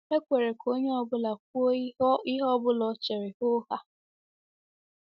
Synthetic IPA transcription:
e˦kʷe˨ɾe˨kʰo˦ɲe˦ɔ˦bʊ˦la˨k̚ʷɔ˦i˦ɦɔ˦bʊ˦lɔ˨t͡ʃe˨ɾɪ˨ho˦ha˦

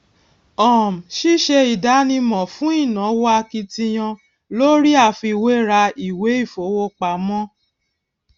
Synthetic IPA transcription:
ɔ˨m̩˨ʃi˦ʃe˧i˨da˨˦nĩ˧mɔ̃˨fũ˨˦i˦˨nã˨˦wa˧˦ki˧tĩ˧j̃ɔ̃˧ | lo˦ɾi˦a˦˨fi˧i˨˧˨we˦ɾa˧i˨we˨˦i˦˨fo˨˦wo˧k͡pa˨˦mɔ̃˦

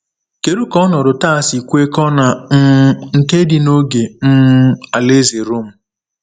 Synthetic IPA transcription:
ke˨ɾu˦kɔ˦nɔ˨ɾʊ˨ta˦˨si˨kʷe˦kɔ˦na˨m̩˦n̩˦te˦di˦no˦ɡe˨m̩˦a˨le˦ze˨ɾo˦m̩˨

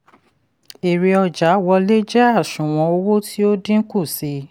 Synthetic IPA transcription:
e˨ɾi˨˧ɔ˧d͡ʒa˨˦wɔ˧le˦d͡ʒɛ˦a˦˨ʃũ˨w̃ɔ̃˧˦o˧˦wo˦ti˦o˦dĩ˦ku˦˨si˨˧˦

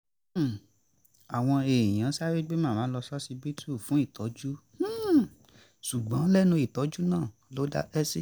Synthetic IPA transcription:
a˨w̃ɔ̃˧ẽ˨j̃ã˨˦sa˦ɾe˦ɡ͡be˦mãː˦˨ãː˨˦lɔ˧sɔ˦si˧bi˦tu˦˨fũ˨˦i˦˨tɔ˨˦d͡ʒũ˦ | ʃu˨ɡ͡bɔ̃˨˦lɛ˦˨nũ˧i˨tɔ˨˦d͡ʒu˦nãː˦˨ | lo˦da̰˧ʔɛ˦si˦

